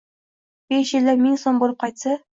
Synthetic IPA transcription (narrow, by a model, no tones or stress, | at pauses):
b̥eʃjɪld̪anmɪŋsombolˠɨp̚qʰɑjt̪sa